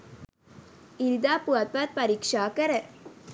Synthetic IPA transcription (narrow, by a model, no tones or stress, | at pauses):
iɾd̪aːpuɐt̪̚pat̪̚pɐɾikʂaːkɐɾɐ